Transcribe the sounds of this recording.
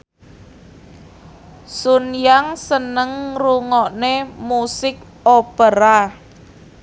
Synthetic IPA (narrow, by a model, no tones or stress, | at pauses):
sunjaŋsənəŋruŋɔʔnemusɪk̚ | opəɾa